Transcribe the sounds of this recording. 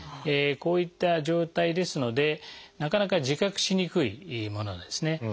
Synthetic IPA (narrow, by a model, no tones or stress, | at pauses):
eko̞ːit̪ːaʑo̞ːt̪aid̪e̞sɨno̞d̪e̞nakanakaʑikakɯ̟̥ɕiɲ̟ikɯ̟ḭmo̞no̞̰d̪e̞sɨne̞